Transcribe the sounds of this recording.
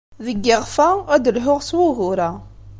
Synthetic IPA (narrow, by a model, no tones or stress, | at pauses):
ðəɡːɪʁfææd̪əlɦʊʁswuɦʊɾa